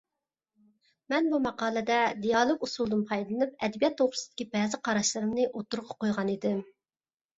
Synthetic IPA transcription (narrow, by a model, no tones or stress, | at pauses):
mɛnbumɑqɑːlˠɨd̪ɛd̪ijɑlˠoɡusulˠd̪ɨnpʰɑjdllˠɨnɨp̚ɛd̪ɛbijɑt̪ʰːoχɾɨsd̪ɪ̥kʲibɛːzɪqʰɑɾɑʃlˠɨɾɨmnɨʔot̪uɾʁɑqojʁɑnid̪ɪm